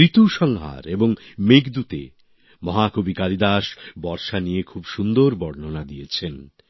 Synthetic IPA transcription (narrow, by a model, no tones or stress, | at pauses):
it̪uʃɔŋɦa̰ɾeboŋmekd̪ut̪ḛ | mɔɦakobikalid̪aʃbɔɾʃanijekʰubʃund̪oɾbɔɾnonad̪iet͡ɕʰen